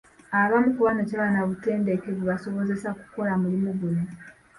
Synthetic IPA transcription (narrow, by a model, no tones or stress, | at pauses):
aβamukuβanacaβanaβute̞ːnde̞keβuβaso̞βo̞ze̞saku̥ko̞lamulimuɡune